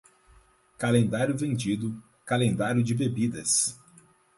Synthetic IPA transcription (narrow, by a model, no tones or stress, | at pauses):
kalẽnd̪aɾjʊvẽnd͡ʒid̪ʊ | kalẽnd̪aɾjʊd͡ʒɪbebid̪ɐs